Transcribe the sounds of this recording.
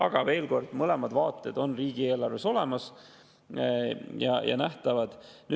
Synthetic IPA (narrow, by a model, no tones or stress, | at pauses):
ɑɡ̥ɑve̞ːlɡo̞rd̪̥mɤle̞mɑd̪vɑːt̪ːˑe̞d̪̥o̞nriːɡ̥ie̞ːlɑrve̞so̞lemɑs | jɑ̰jɑ̰næht̪ɑvɑd̪̥ny